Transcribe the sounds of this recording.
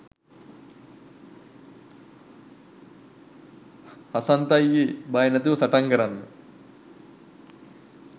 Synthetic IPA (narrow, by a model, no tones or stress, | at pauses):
hɐsɐnt̪ɐjːibɐjɐnɐt̪usɐʈɐŋɡɐɾɐnː